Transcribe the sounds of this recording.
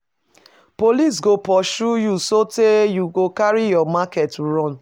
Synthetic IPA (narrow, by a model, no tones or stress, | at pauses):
polis̬ɡopɔʃujusotejuɡokaɹijɔmakɛtuɹɔ̃n